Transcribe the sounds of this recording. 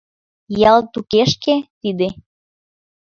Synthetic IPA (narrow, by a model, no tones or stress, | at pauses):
jɑlt̪ukeʃket̪id̪e